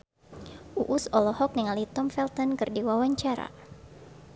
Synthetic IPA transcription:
ʔuʔusɔlɔhɔk̚niŋalit̪ɔmfɛlt̪ɔnkɨrdiwawaɲt͡ʃaɾa̰

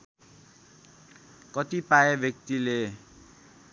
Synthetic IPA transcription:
kʌt̪ipaebʱjʌk̚t̪ile

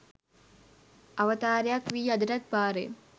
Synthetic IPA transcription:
ɐʋɐt̪aːɾjakʋiːɐd̪iɾɐt̪̚baːɾḛ

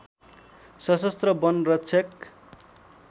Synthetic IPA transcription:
sʌsʌst̪rʌbʌnrʌtt͡sʰʌk

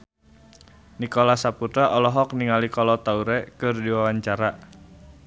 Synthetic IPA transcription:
nikolasaput̪ɾaʔɔlɔɦɔk̚niŋalikɔlɔt̪auɾɛkɨrdiwawaɲt͡ʃaɾa

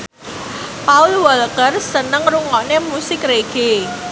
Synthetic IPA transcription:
paʊlwɔlkərsənəŋruŋɔʔnemusɪkɾeɡ̥e

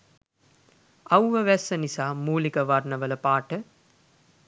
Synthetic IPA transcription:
ɐwʋəʋɛsːənisaːmuːlikəʋaɾnəʋələpaːʈə

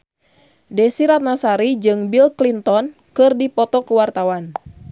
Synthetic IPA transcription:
dɛsiɾat̪̚nasaɾid͡ʒɨŋbilklint̪ɔn | kɨrdipɔt̪ɔkəwart̪awan

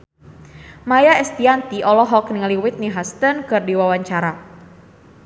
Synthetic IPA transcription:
majaɛst̪iant̪iʔɔlɔɦɔknɪŋliwɪt̪̚niɦast̪ənkɨrdiwawaɲt͡ʃaɾa

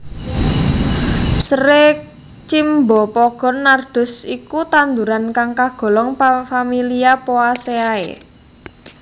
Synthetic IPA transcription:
sɾek̚ | t͡ʃimbɔpɔɡ̥ɔ̤nːard̪̥ʊ̤sikut̪and̪uɾankaŋkaɡ̥ɔ̤lɔŋfamiliapoaseaḛ

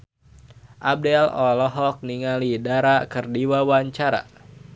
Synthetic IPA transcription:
ʔab̚dɛlɔlɔɦɔk̚niŋalidaɾakɨrdiwawaɲt͡ʃaɾa̰

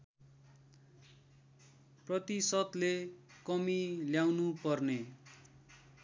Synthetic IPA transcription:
prʌt̪isʌt̪lekʌmiljawnupʌrne

